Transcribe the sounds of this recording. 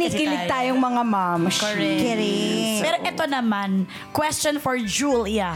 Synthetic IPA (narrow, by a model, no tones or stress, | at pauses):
niːkɪlɪɡ̚t̪aːjoŋmɐŋamamkɛɾɪpɛɾoʔɛt̪onɐman | kwɛst͡ʃonfɔɹd͡ʒuljɐ